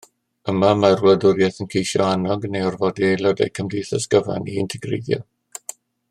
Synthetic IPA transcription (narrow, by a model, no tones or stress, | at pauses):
əmamarwədʊɾjaθənkʰejʃɔanɔɡnejɔrvɔdilˠɔda̰jkʰəmdijθəsɡ̥əva̰niɪntʰɛɡrḛjdjɔ̰